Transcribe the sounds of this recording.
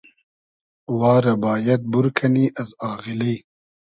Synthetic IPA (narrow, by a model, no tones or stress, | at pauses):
wɑːɾɐbaːjɐd̪̚buɾkʰɐniːʔɐzɑːɣilɐj